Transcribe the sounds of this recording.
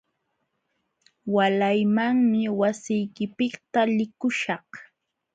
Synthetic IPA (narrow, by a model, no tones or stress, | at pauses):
walajmaŋmɪwasɪjkɪpɪkt̪alɪkʊʃɑh